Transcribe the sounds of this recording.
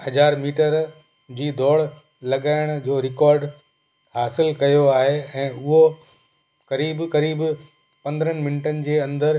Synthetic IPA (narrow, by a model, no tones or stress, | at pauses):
hɐd͡ʑaːɾmiːʈəɾ | d͡ʑiːd̪ʱɔːɽ | lɐɠaːɪɽ̃d͡ʑoːɾɪkɔːɾɖ | haːsɪlkɐjoaːɦeɛ̃ːʊɦo | kɐɾiːbkɐɾiːb | pɐ̃nd̪əɾənɪ̆mɪnɪʈənɪ̆d͡ʑeːɐ̃nd̪əɾ